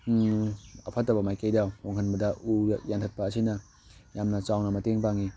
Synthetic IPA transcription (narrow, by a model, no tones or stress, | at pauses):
ɐpʰatːabɐmajkejdawhoŋhɦanbɐdɐujantʰat̚pɐːsʰinɐ | jamnɐt͡ʃawnɐmɐteŋpaŋi